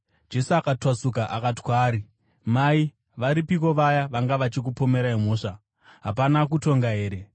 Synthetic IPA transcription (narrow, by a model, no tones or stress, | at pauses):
d͡ʒe̞suakatwasuk̬aʔakati̥kwaːɾi | mai | ʋaɾipiko̞ʋajaʋaŋɡaʋat͡ʃik̬upo̞me̞ɾaimo̞ːʂa | ɦapanak̬uto̞ŋɡaɦe̞ːɾe̞